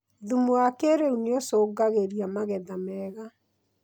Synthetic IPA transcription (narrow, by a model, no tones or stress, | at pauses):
ðumuakeɾeuneosoːɡaɣeɾiamaɣɛðamɛɣa